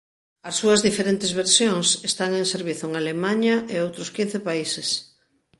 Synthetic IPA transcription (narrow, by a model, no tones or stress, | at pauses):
ɐsːuɐzðifeɾent̪ezβeɾsjoŋsest̪aŋẽŋseɾβiθʊŋalemaɲaʔeowt̪ɾʊskin̟θepaises